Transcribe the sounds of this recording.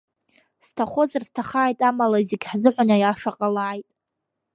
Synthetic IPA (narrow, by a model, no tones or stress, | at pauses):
stʰaχʷozarztʰaχaːjtʼamalaizeɡʲħzɨħʷanajaʂaqʼalajtʼ